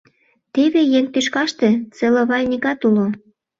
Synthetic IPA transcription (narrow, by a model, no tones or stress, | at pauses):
t̪eβejeŋt̪yʃkɑʃt̪et͡seloβɑlʲnʲikɑt̪ulo